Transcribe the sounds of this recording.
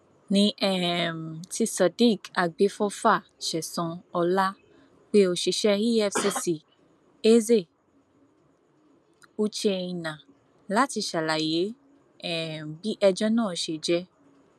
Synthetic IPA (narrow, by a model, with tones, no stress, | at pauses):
nĩ˧˦ʔɛ˦˨m̩˨ti˧sɔ˨di˦˨ka˧ɡ͡be˨˦fɔ˦fa˦˨ʃɛ˨sɔ̃˨˧ɔ˧la˦ | k͡pe˦o˧ʃi˧ʃɛ˦ɾi˦ɛ˦˨fsi˧si˧˨ | e˦ze˦˨ | u˦t͡ʃe˧ĩ˧˨nã˨ | la˦ti˧ʃa˨la˨je˨˦ | ɛ˦˨m˨bi˦ʔɛ˧d͡ʒɔ˦nãː˦˨ʃe˧˨d͡ʒɛ˦